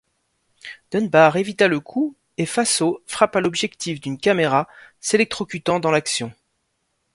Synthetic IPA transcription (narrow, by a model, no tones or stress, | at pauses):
d̪̥ənbaʁevit̪aləkʰu | efasofχapalɔbʒɛkt̪ʰifd̪ynkameʁaselɛk̚t̪χɔkʲyt̪ɑ̃d̪ɑ̃laksjɔ̃